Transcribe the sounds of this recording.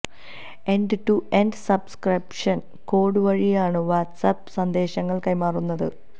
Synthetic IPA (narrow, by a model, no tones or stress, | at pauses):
enɖɨʈuenɖsɐbskripʂɐn | ko̞ːɽɨʋɐɻijaːɳɨʋaːʈsɐpsɐnd̪e̞ːɕɐŋːɐɭkɐjmaːrunːɐðɨ